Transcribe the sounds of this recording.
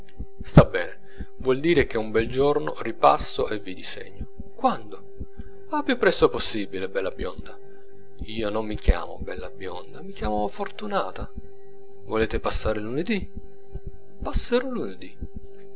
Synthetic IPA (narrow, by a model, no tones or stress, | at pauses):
st̪abːɛːne | vwɔld̪iːɾek̟eumbɛld͡ʒorno̰ripa̰sːoʔevid̪isḛɲːo | kwand̪o | apːjupːɾɛst̪oposːibilebɛlːabjɔ̰nd̪a | iːonomːikja̰ːmo̰bɛlːabjɔ̰nd̪amikjaːmafort̪unaːt̪a | voleːt̪epasːaːɾeluned̪i | pasːeɾoluned̪i